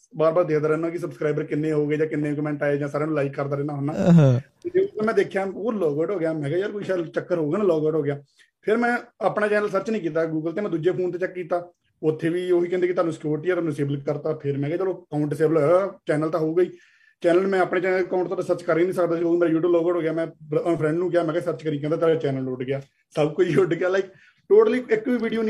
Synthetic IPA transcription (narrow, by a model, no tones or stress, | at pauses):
baːɾbaːɾd̪eːkʰd̪aːɾɛːnãːkɪsəbskɾaːɪbəɾkɪnːẽːɦoːɡəiːd͡ʒãːkɪnːeːkmɛ̃ːɳʈaːed͡ʒãːsaːɾẽːnũːlaːikːəɾd̪aːɾɛːnaːɦoːnaːt̪eːd͡ʒeːt̪ːmɛ̃ːd̪eːkʰjaːoːlɔːɡwɛːʈɦoːɡɪjaːmɛ̃ːɡaːd͡ʒəːɾkoiːʃɛlt͡ʃəkːəɾɦoːɡːnaːlɔːɡwɛːʈɦoːɡjaː | pʰɪɾmɛ̃ːaːpnaːt͡ʃɛːnəlsəɾt͡ʃnĩːk̬iːt̪̬aːɡuːɡəlt̪eːmɛ̃ːd̪uːd͡ʒeːpʰoːnt̪eːt͡ʃəkːkiːt̪aː | ʊt̪ʰːeːʋiːoːɦiːkɛ̃nd̪ekɪt̪ʰaːnũːsɪ̥kjuːɾʈiːɛt̪oaːnũːseːbləkəɾt̪aːpʰɪɾmɛ̃ːɡɛːd͡ʒəːloːkaːʊ̃ɳʈɪseːbəlɦoːɦɛːɡaːt͡ʃɛːnəlt̪ãːɦoːɡəiː | t͡ʃɛːnəlmɛ̃ːapɳeːt͡ʃɛːnlkaːʊ̃ɳʈt̪ʰːasəɾt͡ʃkəɾiːnĩːsəkd̪aːsioːiːmeːɾaːjuːʈuːblɔːɡəːʈɦoːɡjaːmɛ̃ːpʰɾɛ̃ːɳɖnũːkɪjaːmɛ̃ːɡɛːsəɾt͡ʃkəɾiːkɛ̃nd̪aːt̪eːɾat͡ʃɛːnəlʊɖɡɪjaː | səbkʊd͡ʒʊɖɡɪjaːlaɪk | ʈoːʈəliːɪkːiːʋiːɖijoːñː